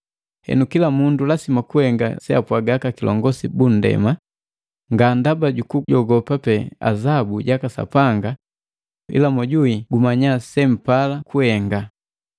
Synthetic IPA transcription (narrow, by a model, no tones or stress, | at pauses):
hɛ̰nukilamundulasimakuhɛŋɡa̰sɛapwaɡakakilʔɔ̰ŋɡɔsibun̩dɛ̰ma | ŋɡandabaɟukuɟɔɡɔpapɛa̰zabuɟakasa̰paŋɡa | ḭlamɔɟuiɡumaɲasɛm̩palakʰuhɛŋɡa